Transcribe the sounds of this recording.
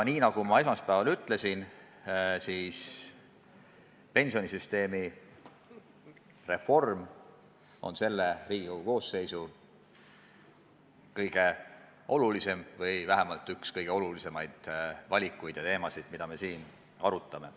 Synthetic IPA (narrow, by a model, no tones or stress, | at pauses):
niːnɑɡ̥umɑe̞smɑspæːvɑlyt̪ˑle̞sin | siːs | pe̞nsio̞nisyst̪e̞ːmi | re̞fo̞rm | o̞̰nse̞lːeriːhuko̞ːse̞jsu | kɤjɡ̥e̞ | ʔo̞lulise̞mvɤjvæɦemɑlt̪ːˑykskɤjɡ̥e̞o̞lulise̞mɑjd̪̥vɑlʲikːˑujd̪̥jɑt̪e̞ːmɑsid̪̥mid̪ɑme̞siːn | ɑ̰ɾut̪ːˑɑme̞